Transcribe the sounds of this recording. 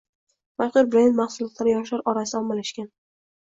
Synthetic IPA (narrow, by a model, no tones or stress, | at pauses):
maʃqʊɾbɾend̪maχsʊlˠɒt̪laɾɪjɒʃlaɾɒɾasɪɒmːalaʃkʲan